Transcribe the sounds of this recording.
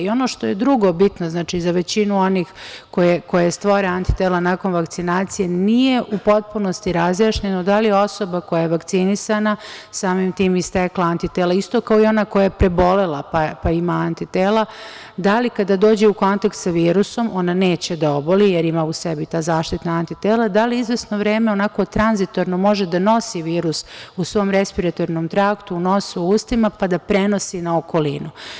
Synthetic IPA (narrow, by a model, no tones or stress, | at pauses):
io̞no̞ʃt̪o̞je̞d̪ɾuɡo̞bit̪noznaːt͡ʃizaʋe̞t͡ɕinuo̞nixko̞jeko̞jest̪ʋoɾeant̪i̥t̪eːlanaːko̞nʋakt̪sinaːt̪sije̞nije̞ʔupo̞t̪̚puno̞st̪iɾazjaːʃɲenod̪alijeo̞so̞bako̞jajeʋakt̪sinisanasaːmimt̪iːmist̪eklˠaant̪it̪elaist̪o̞kaoio̞nako̞jajepɾe̞bo̞lelapapaimaant̪it̪eːla | d̪alikad̪ad̪o̞ːd͡ʑeuko̞nt̪akt̪saʋiːɾuso̞mʔo̞nane̞ːt͡ɕed̪aobolijeɾimaːuse̞bit̪aːzaːʃt̪it̪naant̪it̪eːlad̪aliizʋesno̞ʋɾeːmeo̞nako̞t̪ɾanzit̪o̞ɾno̞mo̞ʒed̪ano̞siʋiːɾususʋo̞mɾe̞spiɾat̪o̞ɾnomt̪ɾaːkt̪uno̞suuːst̪imapad̪apɾe̞no̞sinaoko̞linu